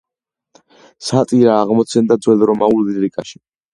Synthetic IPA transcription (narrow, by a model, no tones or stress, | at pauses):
sat̪ʼiɾaːʁmɔt̪sʰɛnd̪ad̪zwɛlɾɔmauliɾikʼaʃi̥